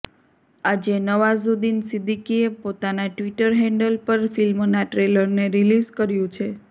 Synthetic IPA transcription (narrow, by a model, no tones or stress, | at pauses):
ad͡ʒenəʋazud̪insid̪ikiepot̪anaʈʋiʈəɾɦɛ̃ɳɖəlpəɾfilmnaʈɾeləɾneɾilizkəɾjũt͡ʃʰe